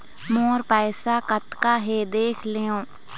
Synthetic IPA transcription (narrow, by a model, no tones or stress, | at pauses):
moːɾpɛːsaːkət̪kaːɦed̪eːkʰleːõː